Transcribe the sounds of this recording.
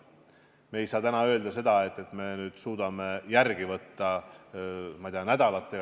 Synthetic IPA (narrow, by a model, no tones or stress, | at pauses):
me̞ːjsɑːt̪ænɑø̞ld̪̥ɑse̞d̪̥ɑe̞t̪ːˑe̞t̪ːˑme̞nyːd̪̥suːd̪̥ɑme̞jærɡ̥ivɤt̪ːɑ | mɑjd̪iɑnæd̪̥ɑlɑt̪ːˑe̞